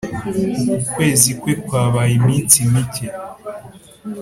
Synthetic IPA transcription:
kukwe̞ːzikwekwaːβajimiːnt͡simice

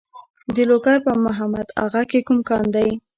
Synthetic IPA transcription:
d̪əloɡaɾpəmʊɦamad̪a̰ɣakekumkɑnd̪aj

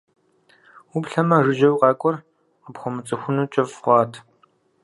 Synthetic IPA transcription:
upɬɐmɐrɨʒɐwqɑːkʷʼɔr | qəpxʷɔmɨt͡sʼɐxʷʊnuːt͡ʃʼɐfχʷɑːtʰ

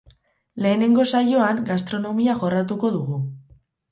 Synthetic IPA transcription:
le̞ːne̞ŋɡo̞sajo̞aŋɡast̪ɾo̞no̞miaʝo̞rat̪̬uko̞ðuɣu

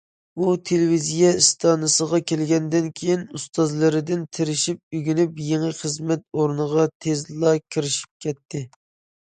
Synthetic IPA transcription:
ut̪ʰelɪvizijɛist̪ʰɑnɨsəʁɑkʲelɡʲɛnd̪ɪnkʲʰejinust̪ɑzlˠɨɾɪd̪ɪnt̪ʰɪɾɪʃip̚yɡʲinypjeŋɨχəzmɛt̪oɾnəʁɑt̪ʰezlˠɑkʲʰiɾɪʃi̥p̚kʲʰɛt̪ʰːɪ

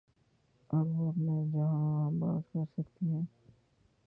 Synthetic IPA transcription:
ɐbʋoɐpned͡ʒɐɦãba̰ːt̪kɐɾsɐkt̪iɦɛ̃ː

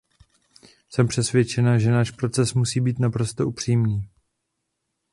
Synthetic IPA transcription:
sɛmpr̝̥ɛsvjɛt͡ʃɛnaʒɛnaːʃpɾo̞t͡sɛsmusiːbiːt̪napɾo̞st̪o̞ʔupr̝̥iːmniː

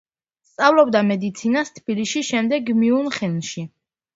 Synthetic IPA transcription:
st̪sʼavlˠɔb̚d̪amɛd̪it̪sʰinast̪ʰb̥iliʃiʃɛmd̪ɛɡːmiunχɛnʃi

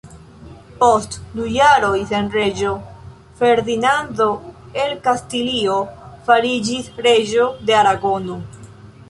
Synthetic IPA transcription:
po̞stdujaɾo̞jse̞nɾe̞d͡ʒo̞ | fe̞ɾdinando̞e̞lkastilio̞faɾid͡ʒisɾe̞d͡ʒo̞de̞aɾaɡo̞no

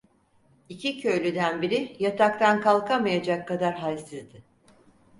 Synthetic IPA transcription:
icʰicʰøjlʲyd̪ænbiɾɪjat̪ʰakt̪ʰankalˠkʰamajad͡ʒakʰːad̪aɾɦalʲsizd̪ɪ

